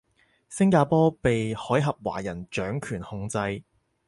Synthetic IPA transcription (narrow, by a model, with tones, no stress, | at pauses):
sɪ˥ŋkaː˧pɔː˥pe˨jhɔː˨˥jɦɐ˨p̚wa̰ː˨˩jɐ˨˩nt͡ʃœː˨˥ŋkʰyː˨˩nhʊ˧ŋt͡sɐ˧j